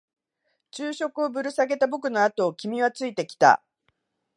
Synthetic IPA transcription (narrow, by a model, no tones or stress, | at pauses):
t͡ɕɨːɕo̞kɯo̞bɯ̟ɾɯ̟saɡe̞t̪abo̞kɯ̟no̞at̪o̞ːkʲimʲiβat͡sɨit̪e̞kʲi̥t̪a̰